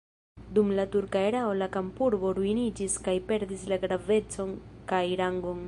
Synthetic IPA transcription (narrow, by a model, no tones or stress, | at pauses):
d̪umlatuɾkaeɾaolakampuɾbo̞ɾuinid͡ʒiskajpe̞ɾd̪islaɡɾave̞t͡so̞nkajɾaŋɡon